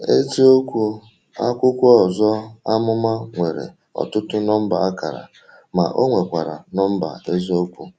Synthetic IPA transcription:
e˦zi˦o˦kʷu˦ | a̰˦kʷʊ˦kʷɔ˨zɔ˦a˦mʊ˦ma˦ŋʷe˨ɾḛ˨ | ɔ̰˨tʊ˦tʊ˦nɔ˦m̩˦ba˨a˦ka̰˨ɾa̰˨ | ma̰˨ʔo˦ŋʷe˨kʷa˨ɾa̰˨nɔ˦m̩˦ba̰˨e˦zi˦o˦kʷu˦

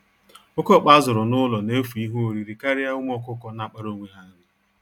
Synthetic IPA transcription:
o˦kɔ˦˨k͡pa˦zʊ˨ɾɔ˨nʊ˦lɔ˨ne˦fu˨i˦ɦu˦o˨ɾi˨ɾi˨ka˦ɾɪ˦a˦ʊ˦m˦ɔ˦kʊ˦kɔ˦na˦˨k͡pa˦ɾo˦ŋʷe˦ɦa˦dɪ˦

